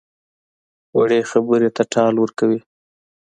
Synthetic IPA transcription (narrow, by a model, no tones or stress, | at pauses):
waɽexabəɾet̪aʈɑlwəɾkawi